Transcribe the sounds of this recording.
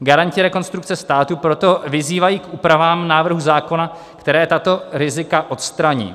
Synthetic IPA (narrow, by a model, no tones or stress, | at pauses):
ɡaɾaɲcɪɾɛko̞nst̪ɾukt͡sɛst̪aːt̪upɾo̞t̪o̞vɪziːvajiːkʔuːpɾavaːmnaːvɾ̩ɦuzaːko̞na | kt̪ɛɾɛːt̪at̪o̞ɾɪzɪkaʔo̞t̪st̪ɾaɲḭː